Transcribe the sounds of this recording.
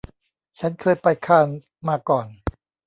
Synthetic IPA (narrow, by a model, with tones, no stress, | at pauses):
t͡ɕʰa˦˥nkʰɤː˧jpa˧jkʰaː˧˩n | maː˧kɔː˨˩n